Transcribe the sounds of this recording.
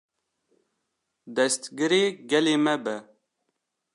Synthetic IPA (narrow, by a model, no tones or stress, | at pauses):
d̪ɛst̪ɡɨɾeːɡɛleːmɛbɛ